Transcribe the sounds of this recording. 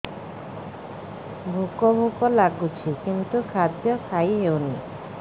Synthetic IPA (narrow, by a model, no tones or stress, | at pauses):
bʱukɔbʱukɔlaɡut͡ʃʰikint̪ukʰad̪jɔkʰajɦewni